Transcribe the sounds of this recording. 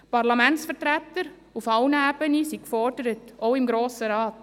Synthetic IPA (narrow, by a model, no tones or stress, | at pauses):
pɑɾlɑmɛntsfətɾætːəɾ | ufɑʊnəæb̥ənisikfɔrdəɾətoʊɪmɡɾoːsəɾɑːt